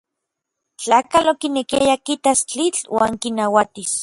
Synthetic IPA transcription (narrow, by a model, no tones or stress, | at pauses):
t͡ɬaːkalokinekiajakit̪ast͡ɬit͡ɬwa̰ːŋkinawat̪is